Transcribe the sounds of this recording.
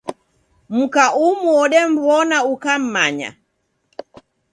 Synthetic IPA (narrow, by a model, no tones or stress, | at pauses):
m̩kaʔumuɔɗɛm̩bɔnaukam̩maɲa̰